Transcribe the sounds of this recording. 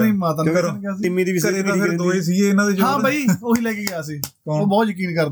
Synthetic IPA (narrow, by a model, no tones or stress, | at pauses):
nĩːmãːt̪ənəɾnːɡjaːsɪmiːd̪iːisñeɾd̪oːiːs̬iːeːɪnãːd̪eːt͡ʃɦãːbʱaːiːoɦiːlɛːkeːɡɪjaːsiː | oːbɔːt̪jək̬iːnkəɾd̪